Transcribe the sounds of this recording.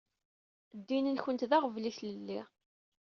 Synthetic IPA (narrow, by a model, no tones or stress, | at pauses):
d̪ːinənçənt̪ðaʁəvliθləlːi